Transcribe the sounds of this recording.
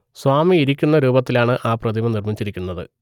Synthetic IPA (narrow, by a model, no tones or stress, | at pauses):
swaːmiːɾikʲːunːɐɾuːbɐt̪ːilaːɳɨʔaːprɐd̪ʱimɐnirmit͡ɕːiɾikʲːunːɐðɨ̰